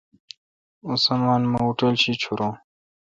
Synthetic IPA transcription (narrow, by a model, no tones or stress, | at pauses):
usɐmaːnmɐuʈolɕit͡ɕʰuɾõː